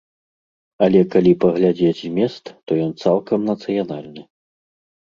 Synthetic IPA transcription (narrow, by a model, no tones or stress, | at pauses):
ɐlʲɛkalʲipɐɣlʲad͡zʲet͡sʲmʲɛst̪t̪ɔjɔnt̪salˠkɐmnɐt̪sɨjanalʲnɨ